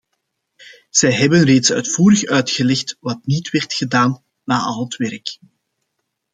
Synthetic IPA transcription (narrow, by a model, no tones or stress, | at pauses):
z̥ɛjɦɛbənreːtsœ̰ɥtfuːɾəxœɥtxəlɛxtʋɑtnitʋɛrtxədaːnː | aːʔɑlətʋɛrk